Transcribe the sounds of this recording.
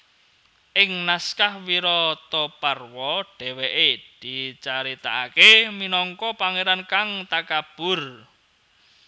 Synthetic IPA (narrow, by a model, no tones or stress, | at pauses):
ʔɪŋnaskahwiɾɔt̪ɔparwɔɖ̥ɛ̤weʔed̪̥it͡ʃaɾit̪aakeminɔŋkɔpaŋeɾankaŋt̪akab̥ʊ̤r